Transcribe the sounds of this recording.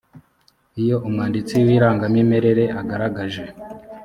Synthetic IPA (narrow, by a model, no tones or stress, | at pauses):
ijo̞ʔumŋaːndit͡siwiːɾaːŋɡamime̞ɾe̞ɾe̞ʔaɡaɾaɡaʒe̞